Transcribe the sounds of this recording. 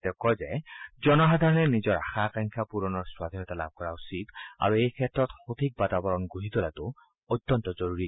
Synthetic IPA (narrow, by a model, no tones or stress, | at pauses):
dɛkɔzɛzɔnɔxadʱaɹɔnɛnizɔɹaxakaŋkʰapuɹɔnɔɹswad̪ʱinɔtala̰b̚ʱkɔɹausita̰ɹuejkʰɛtːɹɔtxot̪ʰik̚batabɔɹɔnɡuɦit̪olatʊ | ojt̪ːɔntɔzɔɹuɹi